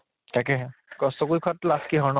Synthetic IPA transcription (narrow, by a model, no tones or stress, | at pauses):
takɛɦɛkɔstɔkujkʰɔtlaskiɦɔɹnɔ